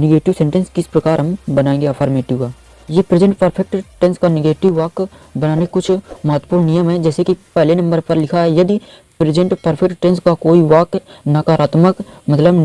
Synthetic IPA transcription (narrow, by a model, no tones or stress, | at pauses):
nɪɡeːʈɪʋsẽːɳʈə̃nskɪspɾɐkaːɾɦɐmbənaːẽːŋɡeafʰaːɾmeːʈɪʋkaː | jeːpɾɪd͡ʒə̃ɳʈpəɾpʰɛk̚ʈʈɛ̃nskanɪɡeːʈɪʋːaːk | bɐnaːnekʊt͡ʃʰmɐɦət̪ːəpuːɾnnɪjəmɦɛd͡ʒɛːsekipɛɦlenɐ̃mbəɾpɐɾlɪkʰaɦɛjɐd̪i | pɾɪd͡ʒə̃ɳʈpəɾpʰɛkʈʈɛ̃nskakoːiʋaːknakaːɾaːt̪məkmɐt̪ləb